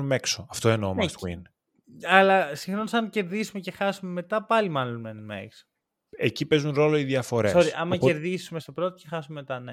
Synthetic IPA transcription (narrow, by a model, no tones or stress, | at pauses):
meksoɐft̪oenomein | ɐlɐsiŋxnonisɐnce̞ɾðisumece̞xɐsume̞me̞t̪ɐpɐlimɐlonmenunmḛks | ḛcipe̞zunɾo̞lo̞iðjɐfo̞ɾesosɾiʔɐmɐpe̞ɾðisume̞st̪opɾo̞t̪oce̞xɐsumeme̞t̪ɐne